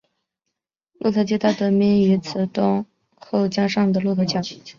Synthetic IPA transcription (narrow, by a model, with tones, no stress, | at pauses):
lʔu˥˧˩t̪ʰɤ˧˥t͡ɕjɛ˥t̪a˥˩t̪ɤ˧˥mi˧˥ny˧˥t͡sʰɹ̩˨˩t̪ʊ˥ŋ | xo˥˩ʊt͡ɕjɑ˥ʂɑ˥˩ŋd̪ə˩lu˥˩k̪ʰɤ˧˥t͡ɕjɑ˥˦